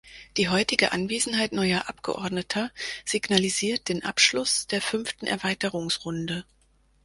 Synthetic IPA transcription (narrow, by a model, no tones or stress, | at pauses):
d̥iːɦɔʏtɪɡəʔanveːzn̩haɪtnɔʏɐʔapɡ̥ə̰ʔɔɐdnətʰɐz̥iɡnaliziːɐt̚d̥eːnʔa̰pʃlʊsd̥eːɐfʏnftn̩ʔɛ̰ɐvaɪtəʁʊŋsʁ̥ʊndə